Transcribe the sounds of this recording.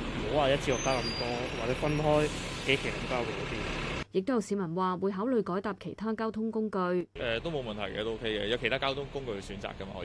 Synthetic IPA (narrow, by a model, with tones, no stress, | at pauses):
m̩˨˩ho˨˧˥waː˨jɐ˥t͡ɕʰiː˧hɔː˨k̚faː˥kɐ˧mt̪ɔː˥waː˨k̚t͡sɛː˨˥fɐ˥nɦɔː˥jke˨˥kʰe˨˩lɐ˨˥mkaː˧˥wo˨˩kɔ˨˧˥t̪iː˥jɪ˨k̚t̪jwsiː˨˥mɐ˨˩nwaː˨˩wuː˨˧jɦaː˨˥wlɵ˨˧ɥjkɔː˨˥jt̪aː˨p̚kʰe˨˩jt̪ʰaː˥kaː˥wt̪ʰʊ˥ŋkʊ˥ŋkɵ˧ɥʔɛː˨t̪o˥wmo˨˧wmɐ˨nt̪ʰɐ˨˩jkɛ̰˧t̪o˥o˥kʰe˥jkɛ˧jɐ˨˧wkʰe˨˩jt̪aː˥kaː˥wt̪ʰʊ˥ŋkʊ˥ŋkɵ˧ɥksyː˨˥nt͡sa̰ː˨kːɐ˥ma̰ː˨˧